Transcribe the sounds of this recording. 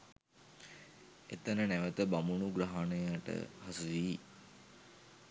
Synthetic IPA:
ḛt̪ənənæʋət̪əbamunuɡɾaɦanəjaʈə̰hasuʋiː

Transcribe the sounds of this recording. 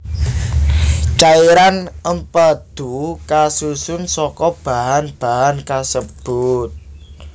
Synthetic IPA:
t͡ʃaiɾanəmpəd̪̥ukasusʊnsɔkɔb̥a̤ɦanb̥a̤ɦankasəb̥ʊt̪̚

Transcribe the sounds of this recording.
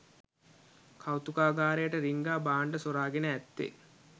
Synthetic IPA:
kʰawt̪ukaːɡaːɾejəʈəɾiŋɡaːbaːɳɖəsoɾaːɡenəæt̪ːḛ

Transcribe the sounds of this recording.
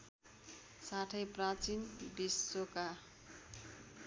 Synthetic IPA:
saʈʰʌjprãt͡sinbisːoka

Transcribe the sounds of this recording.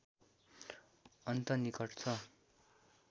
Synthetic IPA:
ʌnt̪ʌnikʌʈt͡sʰʌ

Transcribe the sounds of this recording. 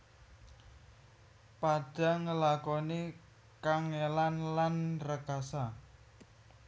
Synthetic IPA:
paɖ̥a̤ŋəlakɔne | kaŋelanlanrəkasa

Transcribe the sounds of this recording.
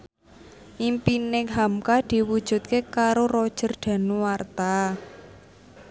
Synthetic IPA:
ʔimpinɪŋɦamkad̪̥i̤wud̥ʒ̥ṳt̪̚kekaɾoɾɔd̥ʒ̥ə̤rɖ̪̥ä̤nuwart̪a

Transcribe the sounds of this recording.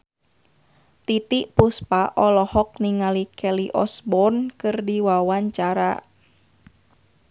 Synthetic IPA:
t̪it̪iʔpuspaʔɔlɔhɔk̚niŋalikʰɛliʔɔsbɔnkɨrdiwawaɲt͡ʃaɾa

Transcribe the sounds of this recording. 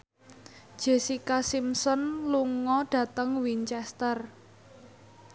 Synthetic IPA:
d̥ʒ̥e̤sikasimsɔnluŋɔɖ̥ä̤t̪əŋwiɲt͡ʃɛst̪ər

